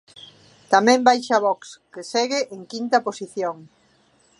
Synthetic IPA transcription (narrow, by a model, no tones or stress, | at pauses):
t̪amɛ̃mbajʃaβɔkskesɛɣɪʔeŋkint̪ɐposiθjoŋ